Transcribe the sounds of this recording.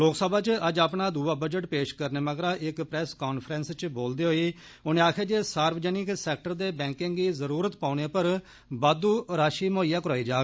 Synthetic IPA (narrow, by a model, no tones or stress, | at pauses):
loːksəbaːt͡ʃəd͡ʒaːpnaːd̪uːaːbəd͡ʒəʈpeːʃkəɾneːməɡɾaːʔɪkpɾɛːskaːnpʰɾɛːnst͡ʃboːld̪eːɦoːiː | ʊnẽːaːkʰeːd͡ʒeːsaːɾbd͡ʒəːnɪksɛːk̚ʈəɾd̪eːbɛ̃ːŋkɪŋɡiːzəɾuːɾət̪paːʊñeːpəɾ | baːd̪uːɾaːʃiːmoːijaːkəɾaːiːd͡ʒaːɡ